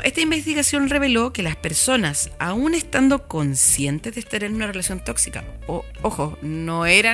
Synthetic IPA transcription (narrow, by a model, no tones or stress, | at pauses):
ʔest̪aimbe̞st̪iɣasjo̞nre̞βe̞lo̞ke̞laspe̞ɾso̞nasaune̞st̪and̪o̞ko̞nsje̞nt̪ezðest̪aɾenunare̞lasjo̞nt̪o̞ksika̰ooxono̞eɾa